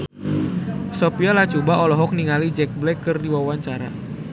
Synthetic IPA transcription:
sopialaht͡ʃubaʔɔlɔɦɔk̚niŋalid͡ʒɛk̚blɛkːɨrdiwawaɲt͡ʃaɾa̰

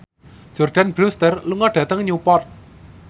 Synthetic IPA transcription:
d͡ʒ̥ɔrɖ̥anbɾust̪ərluŋɔɖ̥ä̤t̪əŋɲupɔrt̪̚

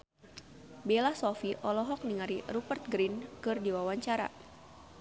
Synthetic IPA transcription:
belasɔfiʔɔlɔɦɔk̚niŋaɾirupərt̪̚ɡɾinkɨrdiwawaɲt͡ʃaɾa̰

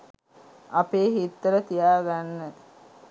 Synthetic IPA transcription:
apeːɦit̪ːəɾət̪ijaːɡanːə

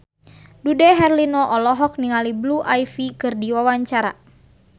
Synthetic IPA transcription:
dudɛɦɛrlinɔʔɔlɔɦɔk̚niŋalibluʔajfikɨrdiwawaɲt͡ʃaɾa̰

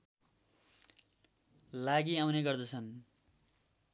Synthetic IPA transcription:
laɡiawneɡʌrd̪ʌt͡sʰʌn

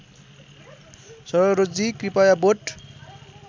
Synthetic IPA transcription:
sʌɾɾod͡zikripajaboʈ

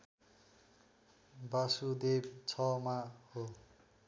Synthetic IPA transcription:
basud̪ebt͡sʰʌmaho

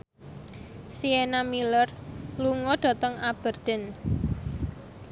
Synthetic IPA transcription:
sienamilərluŋɔɖ̥a̤t̪ɔŋab̥ərd̪̥ə̤n

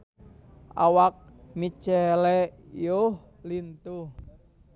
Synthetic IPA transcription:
ʔa̰wak̚mit͡ʃɛlɛjoh | lint̪uh

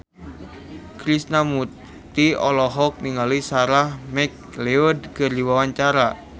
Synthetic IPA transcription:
kɾisnamut̪ | iɔlɔɦɔk̚niŋalisaɾahmɛk̚ | leɔdkɨrdiwawaɲt͡ʃaɾa

